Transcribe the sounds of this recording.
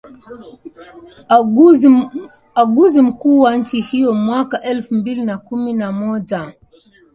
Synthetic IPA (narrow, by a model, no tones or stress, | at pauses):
aɡuzim̩kuːwan̩t͡ʃihijɔmwakaʔɛlfumbilinakuminamɔd͡ʒa